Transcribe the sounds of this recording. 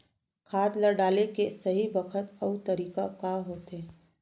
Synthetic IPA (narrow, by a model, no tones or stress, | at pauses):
kʰaːt̪ləɾɖaːlekesɐɦibɐkʰət̪ɐut̪ɐɾiːkakaɦoːt̪eː